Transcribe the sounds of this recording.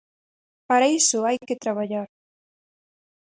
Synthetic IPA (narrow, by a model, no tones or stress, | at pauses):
paɾaisʊajket̪ɾaβ̞aʎaɾ